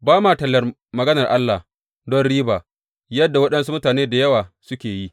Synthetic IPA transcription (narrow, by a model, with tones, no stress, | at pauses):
baː˦maː˨tɐ˨lːɐ˨r | mɐ˨ɡɐ˦nɐ˨rʔa˦lːa˨h | dɔ˦nɽiː˦baː˨ | jɐ˦dːa˨wɐ˦ɗɐ˦nsu˦mʊ˦taː˨neː˦da˨jɐ˦waː˨sʊ˦kʲeː˨ji˦ʔ